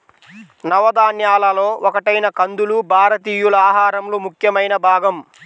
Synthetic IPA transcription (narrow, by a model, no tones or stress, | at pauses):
nɐʋɐd̪aːnjaːlɐlo̞ːɔkɐʈɐjnɐkɐnd̪ulubʱaːɾɐt̪iːjulɐaːɦaːɾɐmloːmukʰjɐmɐjnɐbʱaːɡɐm